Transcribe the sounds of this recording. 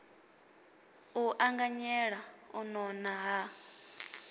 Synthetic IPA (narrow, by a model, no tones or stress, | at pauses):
uʔaŋɡaɲɛɺaunɔnaɦa